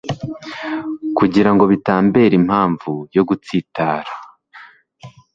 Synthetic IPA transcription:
kuɟiɾaŋɡo̞βitaːmbe̞ːɾim̥haːɱvujo̞ɡut͡siːtaːɾa

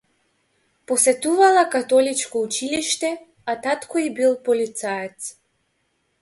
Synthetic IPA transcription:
pɔsɛt̪uvalˠakat̪ɔlit͡ʃkɔut͡ʃiliʃt̪ɛ | at̪at̪kʰɔibilˠpɔlit̪saɛt̪s

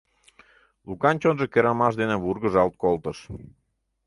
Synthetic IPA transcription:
lukɑnʲt͡ɕonʒəkeɾɑmɑʃd̪enəβurɣəʒɑlt̪̚kolˠt̪əʃ

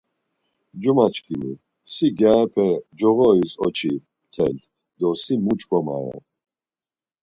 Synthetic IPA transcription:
d͡ʒumat͡ʃkʼini | siɡjaɛpʰɛd͡ʒɔɣɔisɔt͡ʃʰi | t̪ʰɛlt̪ | d̪ɔsimut͡ʃʼkʼɔma̰ɾa̰

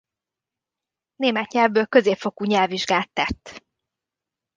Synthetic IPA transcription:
neːmɛt̪ɲɛlvbøːlkø̞zeːpfo̞kuɲɛlviʒɡaːt̪ːɛt̪ː

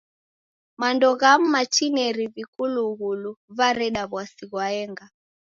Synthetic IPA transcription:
mandɔɣam̩mat͡ʃinɛɾiβikuluɣuluβaɾɛɗaβwasiɣwaɛŋɡa

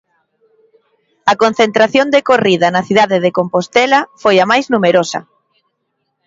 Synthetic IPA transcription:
ɐkon̟θent̪ɾaθjond̪ekoriðɐnɐθiðaðeðekompost̪ɛlɐfojamajznumeɾosɐ̰

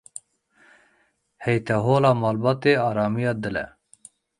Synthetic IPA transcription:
hɛjt̪ʰɛɦoːlɑːmɑːlbɑːt̪eːɑːɾɑːmijɑːd̪ɨlɛ̰

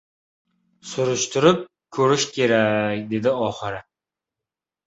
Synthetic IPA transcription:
sʊɾʊʃt̪ʰʊɾɪp̚ | kʰɵɾɪʃkʲʰe̞ɾakʲd̪e̞d̪ɪɒχɨɾɪ

